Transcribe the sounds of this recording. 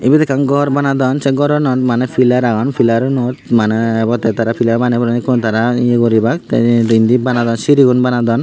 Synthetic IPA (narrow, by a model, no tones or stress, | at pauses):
ibɛt̪ɛkːanɡɔɾbanad̪ɔnsɛɡɔɾɔnɔt̪manɛfilaɾaɡɔnfʰilaɾɔnɔt̪manɛbɔt̪ɛt̪aɾafilabanɛbɔɾnikɔnt̪aɾaieɡɔɾibak̚t̪ind̪ibanad̪ɔnsiɾiɡunbanad̪ɔn